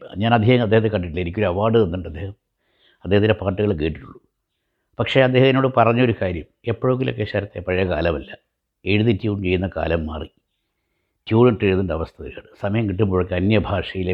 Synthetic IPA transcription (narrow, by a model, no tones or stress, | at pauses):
ɲaːnɐd̪ʱjeɐŋɐd̪ːehɐðekɐɳɖiʈːilɐenik̬ʲːuoɾuɐʋaːɖɨenːuɳɖɐd̪ːe̞ːhɐm | ɐd̪ːehɐðindepaːʈːuɣɐɭkeːʈːiʈːṵɭːu | pɐkʂe̞ɐd̪ːe̞ːhɐmeno̞ːɽɨpɐrɐɲːɐo̞ɾukaːɾjɐme̞pːoɻuŋɡilok̬ːe̞ɕaːɾɐt̪ːepɐɻɐjɐkaːlɐmɐlːɐ | e̞ɻuðitʲːuːmt͡ɕe̞jːunːɐka̰ːlɐmːa̰ːri | tjuːɳɐʈːeɻunːuɳɖɐʋɐst̪ʰɐðila̰ːɳɨsɐmɐjɐmkiʈːumboɻɐkːeɐnjɐbʱaːʂɐjile